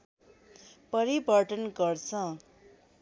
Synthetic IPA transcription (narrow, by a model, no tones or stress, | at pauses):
pʌɾibʱʌɾʈʌnɡʌrt͡sʰʌ̃